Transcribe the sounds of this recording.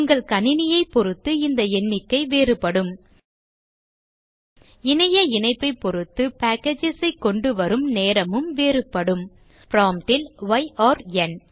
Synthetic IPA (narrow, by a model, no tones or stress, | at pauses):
ʊŋɡɐɭkɐnɪnɪjɐɪpɔɾɯt̪ːɯɪnd̪ɐɛnːɪkːɐɪʋeːɾɯpːɐɽɯm | ɪnɐjɐɪnɐɪpːɐɪpːɔɾɯt̪ːɯpaːkːed͡ʒɪsɐɪkːɔɳɖɯʋɐɾɯmneːɾɐmɯmʋeːrɯpːɐɽɯm | pɾaːmʈɪlʋɐɪʔaːɾɛn